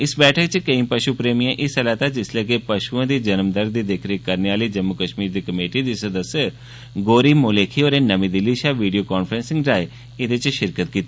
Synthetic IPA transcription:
ɪsbɛːʈʰəkt͡ʃkəĩːpəʃupɾeːmiːãːʔɪsəlaːt̪aːd͡ʒɪsleːɡeːpəʃuãːd̪iːd͡ʒənmd̪əɾd̪iːd̪ekʰɾiːkəɾneaːliːd͡ʒəmːʊkəʃmiːɾd̪iːkəmeːʈiːd̪iːsəd̪əsː | ɡoːɾiːmʊleːkʰiːoːɾeːnəmĩːd̪ɪliːʃaːʋiːɖijoːkaːnfʰɾənsɪ̃ŋɡɾaːe | ɪd̪et͡ʃʃɪɾkət̪̚kiːt̪iː

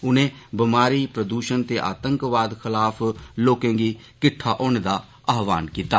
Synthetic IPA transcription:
ʊnẽːbɪmaːɾiːpɾəd̪uːʃənt̪eːʔa̰ːt̪əŋkʋaːd̪kʰɪlaːfʰloːkẽːɡiː | kɪʈʰːaːʔoːɳːd̪aː | aːʋaːnkiːt̪aː

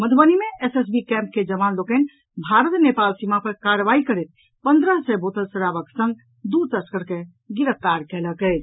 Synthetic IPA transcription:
məd̪ʰʱbənimeeses̬bikɛ̃mp̚ked͡ʒəβanlokən | bʱaɾət̪nepalsimapəɾkaɾʋaikəɾɛt̪̚ | pənd̪ɾəɦsəjbot̪əsəɾabəksə̃ŋɡ̚ | d̪ut̪əskəɾke | ɡiɾəp̚ʰt̪aɾkɛləkəɪt͡ʃʰ

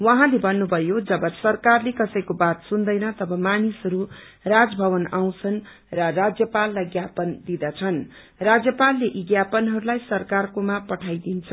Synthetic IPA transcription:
wʌɦãlebʌnːubʱʌjod͡zʌbʌsʌrkarlekʌsʌjkobat̪sund̪ʌjnʌt̪ʌbʌmanisʌɾu | rad͡zbʱʌβʌnaw̃t͡sʰʌn | rʌrad͡zjʌpalːajɡjapʌnd̪id̪ʌt͡sʰʌn | rad͡zjʌpalːeʔiɡjapʌnɦʌɾulajsʌrkarkomapʌʈʰajd̪int͡sʰʌ

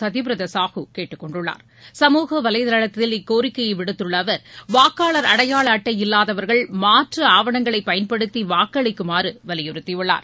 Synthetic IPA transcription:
ɐðɪpɾɐðɐsaːhɯkeːʈːɯkːɔɳɖɯɭːa̰ːɾ | sɐmuːɣɐʋɐlɐjðɐlɐɭɐt̪ːɪlɪkːoːɾɪkːɐjɐɪʋɪɽɯt̪ːɯɭːɐʋɐɾʋaːkaːɭɐɾɐɽɐjaːɭɐːʈːɐjɪlːaːðɐʋɐɾɣɐɭmaːʈrɐaːʋɐɳɐŋɡɐɭɐɪpːɐjɐnpɐɽɯt̪ːiʋaːkːɐɭɐɪkːɯmaːɾɯʋɐlɪjɯɾɯt̪ːiɯɭːa̰ːɾ

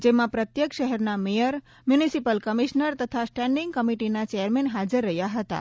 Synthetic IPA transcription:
d͡ʒemãpɾət̪jəkʃəɦɛɾnamejəɾ | mjunisipəlkəmiʃnəɾt̪ət̪ʰasʈɛ̃ɳɖiŋɡ̚kəmiʈinat͡ʃɛjəɾmɛ̃nɦad͡ʒəɾːəɦjaɦət̪a̰

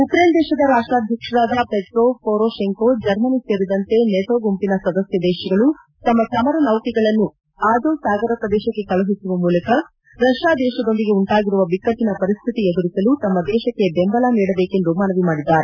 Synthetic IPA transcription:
ukɾeːnd̪ɛːʃɐd̪ɐɾaːʂʈɾaːd̪ʱjɐkʂɐɾaːd̪ɐpeʈɾoːpʰoːɾoːʃeŋkod͡ʒɐɾmɐniseːɾid̪ɐnt̪e̞neʈ̪oːɡumpinɐsɐd̪ɐsjɐd̪ɛːʃɐɡɐɭu | t̪ɐmːɐt̪ɐmɐɾɐnɐʋt̪iɡɐɭɐnːu | aːd̪oːsaːɡɐɾɐpɾɐd̪ɛːʃɐkːe̞kɐlɐɦisuʋɐmuːlɐkɐ | ɾɐʃjaːd̪ɛːʃɐd̪o̞nd̪iɡe̞uɳʈaːɡiɾuʋɐbikːɐinɐpɐɾist̪ʰit̪ied̪uɾisɐlut̪ɐmːɐd̪ɛːʃɐkːe̞bembɐlaːniːɽɐbeːke̞nd̪umɐnɐʋimaːɽid̪ːaːɾe

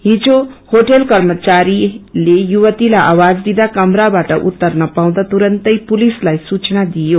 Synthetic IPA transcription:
ɦid͡ʒohoʈelkʌɾmət͡ʃaɾilejuwət̪ilaʔawad͡zd̪id̪akʌmɾabaʈʌʔṵt̪ːəɾnʌpaw̃d̪at̪uɾʌnt̪əjpulislajsut͡ʃnad̪ijo

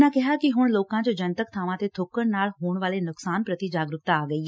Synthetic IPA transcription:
nãkɛɦakiɦʊɽ̃loːkãt͡ʃod͡ʒɐnt̪əkt̪ʰaːʋãt̪et̪ʰʊkːəɽnaːlɦoːɽ̃ʋaːlenʊksaːnpɾət̪id͡ʒaːɡɾʊkt̪aːɡɐiɦ

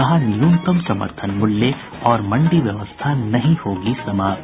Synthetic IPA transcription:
ɐɦanjuːnkəmsɐmə̰ɾt̪ʰənmʊlːje | ɔːɾmɐ̃ɳɖiʋjɐʋəst̪ʰanɐɦĩhoːɡisɐmaːt

